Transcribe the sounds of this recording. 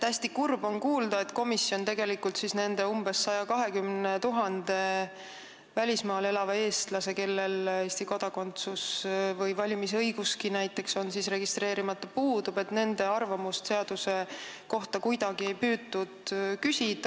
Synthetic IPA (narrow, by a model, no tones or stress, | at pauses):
t̪æsʲt̪ikurbo̞nkuːld̪ɑe̞t̪ko̞misːjo̞nt̪e̞ɡe̞likult̪sisne̞nd̪̥e̞umb̥e̞sːɑjɑkɑɦe̞kymne̞t̪uɦɑnd̪̥e̞ | vælʲismɑːlelɑvɑe̞ːst̪lɑse̞ke̞lːe̞leːsʲt̪iko̞d̪̥ɑko̞nt̪susvɤjvɑlʲimisɤjɡuskinæjt̪ːˑe̞kso̞nsisre̞ɡist̪ɾe̞ːɾimɑt̪ːˑɑpuːd̪̥ube̞t̪ne̞nd̪e̞ɑrvɑmust̪se̞ɑd̪̥use̞ko̞ht̪ɑkujd̪̥ɑɡ̥ie̞jpyːd̪ud̪̥kysʲid̪̥ɑ